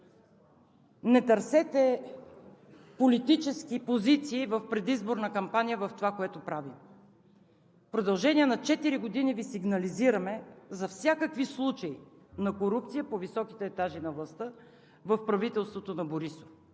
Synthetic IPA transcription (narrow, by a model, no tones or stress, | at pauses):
nɛt̪ɐɾsɛt̪ɛ | polit̪it͡ʃɛskʲipozit̪siːvəfpɾɛd̪izboɾnəkɐmpanʲijəvɐft̪ovakoɛt̪opɾavim | pɾod̪ɐlˠʒɛniɛnɐt͡ʃɛt̪iɾiɡod̪inivisiɡnɐliziɾɐmɛzɐfsʲjakəkvislˠut͡ʃɐi | nɐkoɾup̚t̪sijəpovisɔki̥t̪ɛːt̪aʒinɐvlˠɐst̪ə | vɐfpɾɐvit̪ɛlˠst̪vot̪onɐboɾiso̥f